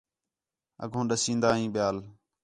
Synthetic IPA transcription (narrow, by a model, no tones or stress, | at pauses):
ə̰ɡʱõːɗəsĩːnd̪aːɦĩːɓɪjaːl